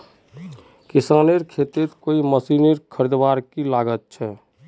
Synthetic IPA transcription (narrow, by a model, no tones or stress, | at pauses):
kisaːneɾkʰet̪et̪koiməsineɾkʰəɾid̪baːɾkilaɡət̪̚t͡ʃʰɛ